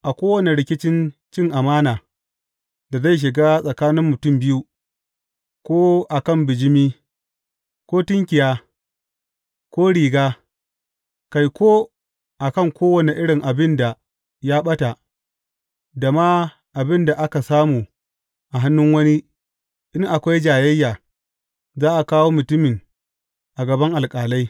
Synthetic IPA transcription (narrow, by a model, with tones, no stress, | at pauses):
ʔa˨kʷoː˦wɐ˦ne˨ɽɪ˦kʲɪ˦t͡ʃɪ˦nt͡ʃɪ˦˨ŋʔa˨maː˦naː˨ | da˨za˦˨jʃ̬ɪ˨ɡaː˦sʼɐ˨kaː˦nɪ˦mːʊ˨tʊ˦mbɪ˦ju˦ | kʷoː˦ʔa˨kɐ˦˨mbɪ˨d͡ʒɪ˦miː˦ | kʷoː˦tɪ˦ŋkʲɪ˨jaː˦ | kʷoː˦ɽiː˨ɡaː˦ | ka˨jkʷoː˦ | ʔa˨kɐ˦˨ŋkʷoː˦wɐ˦ne˨ʔɪ˦ɽɪ˨ŋʔa˨bɪ˦nda˨ | ja˦ɓɐ˦ta˨ | da˨ma˦ | ʔa˨bɪ˦nda˨ʔa˦ka˨saː˦muː˨ | ʔa˨ɦa˦nːʊ˦ŋwɐ˦ni˦ | ɗɪ˦ŋʔa˨kʷa˦jd͡ʒaː˨jɛ˦jːaː˨ | zaː˦ʔa˨kaː˦woː˦mʊ˨tʊ˦mɪ˨ŋ | ʔa˨ɡɐ˨bɐ˦ŋʔa˨lkʼaː˨la˦j